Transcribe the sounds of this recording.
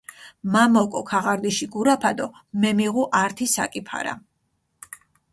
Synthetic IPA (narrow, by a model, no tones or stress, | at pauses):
mamɔkʼɔkʰaʁaɾd̪iʃiɡuɾapʰad̪ɔ | mɛmiʁuʔaɾt̪ʰisa̰kʼipʰa̰ɾa̰